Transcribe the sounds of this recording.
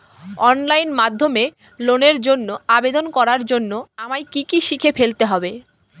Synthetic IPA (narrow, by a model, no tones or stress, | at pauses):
ɔnlajnmad̪ʱːome | loneɾd͡ʑonːoabed̪onkɔɾaɾd͡ʑonːoamajkikiʃikʰefelt̪eɦɔbe